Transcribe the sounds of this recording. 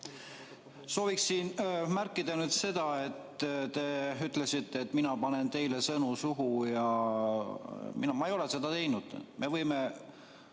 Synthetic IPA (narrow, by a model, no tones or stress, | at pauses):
so̞ːviksːiːnmærkːˑid̪̥ɑnyːd̪se̞d̪̥ɑe̞t̪t̪e̞yt̪ːˑle̞sit̪ːeːt̪ːˑminɑpɑne̞nt̪e̞jle̞sɤnusuɦujɑ | mḭnɑmɑejo̞le̞se̞d̪̥ɑt̪e̞jnud̪̥mʔe̞vɤjme